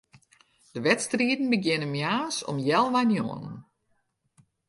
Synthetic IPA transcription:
d̥əʋɛtstriətn̩bəɡjɪnəmjaːsɔ̰mjɛlˠʋajnjɔ̰ːnən̩

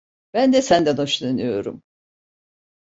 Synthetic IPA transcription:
b̥ænd̪ɛsænd̪ɛnoʃlˠɯnɯjo̞̰ɾṵm

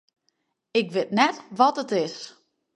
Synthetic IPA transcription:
ɪkʋɪtnɛtʋɔtətɪs

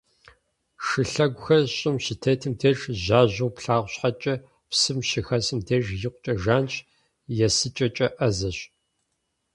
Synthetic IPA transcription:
ʂɨɬɐɡʷʊxɐrɕʼɪmɕɪtʰɐːtʰɨmtʰeʒʑaːʑɐwpɬaːʁʷɕħat͡ʃʼɐ | psɨmʃɪxɐsɨmdʰeːʒjɪqʷʊt͡ʃʼɐʒaːnɕ | jɛsɨt͡ʃʼɐt͡ʃʼɐʔɐzɐɕ

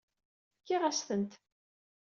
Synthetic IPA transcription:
kːiʁæsθənt̪

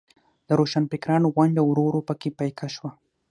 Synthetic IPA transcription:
d̪əɾoʃanpɪkɾɑnoɣwaɳɖawɾoɾopəkepajkʰaʃwa

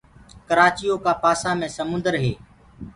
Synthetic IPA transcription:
kəɾaːt͡ʃijoːkaːpaːsãːmẽːsəmʊ̃nd̪əɾɦeː

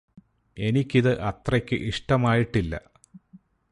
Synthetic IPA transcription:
e̞nikʲːiðɨʔɐt̪rɐkʲːɨ̰ʔiʂʈɐmaːjiʈːilːɐ̰

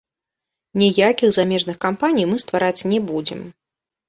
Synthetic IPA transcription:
nʲijakʲiɣzamʲɛʐnɨxkampanʲijmɨst̪vaɾat͡sʲnʲɛbud͡zʲɪ̰m

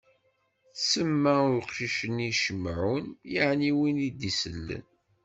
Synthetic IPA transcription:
səmːæʊqʃiʃəniʃəmːʕunjaʕniwinid̪isəlːə̰n

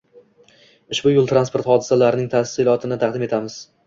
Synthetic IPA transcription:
ʊʃbʊjʊlˠt̪ʰɾanspoɾt̪χɒd̪ɪsalaɾɪnɪŋt̪ʰasɪlˠɒt̪ʰɪnɪt̪ʰɑqd̪ɪme̞t̪ʰamɪz̥

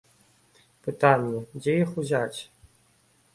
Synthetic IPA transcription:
pɨt̪anʲjɛd͡zʲejixuzʲat͡sʲ

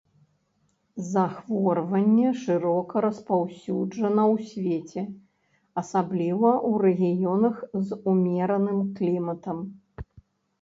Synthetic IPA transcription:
zaxvɔrvɐnʲːɛʂɨɾɔkɐɾɐspawsʲud͡ʐɐnɐwsʲvʲet͡sʲɛ | ɐsablʲivɐʔuɾɛɣʲijɔnɐxzumʲɛɾɐnɨmklʲimɐt̪ɐm

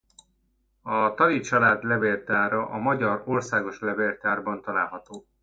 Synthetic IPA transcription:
ɒt̪ɒlit͡ʃɒlaːd̪lɛbeːrt̪aːɾɒʔɒmɒɟɒrorsaːɡo̞ʃlɛveːrt̪aːrbɒnt̪ɒla̰ːlɦɒt̪oː

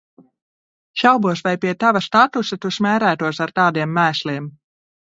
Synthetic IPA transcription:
ʃawbuɔsvajpʲiɛt̪avast̪at̪usat̪usmʲæːɾæːt̪uɔsaɾt̪aːd̪iɛmːæːslʲiːm

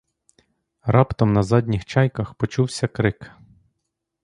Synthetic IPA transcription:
ɾɑpt̪ɔmnɐzɑdʲnʲixt͡ʃɑjkɐxpɔt͡ʃuwsʲɐkɾɪk

